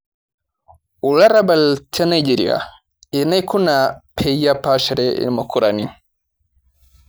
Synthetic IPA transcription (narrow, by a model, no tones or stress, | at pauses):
ulaɾabalt͡ʃɛnajd͡ʒiɾḭa̰ | ɛnajkunapʰɛjjapaʃɛɾɛḭmakuɾani